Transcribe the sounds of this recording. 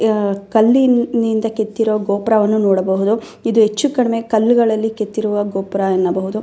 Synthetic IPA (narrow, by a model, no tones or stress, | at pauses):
kɐlːinind̪ɐke̞t̪ːiɾuʋɐɡoːpɾɐʋɐnːunɔːɽɐbɐɦud̪u | id̪uɦet͡ʃːukɐɽɐmekɐlːuɡɐɭɐlːiket̪ːiɾuʋɐɡoːpɐɾɐenːɐbɐɦud̪u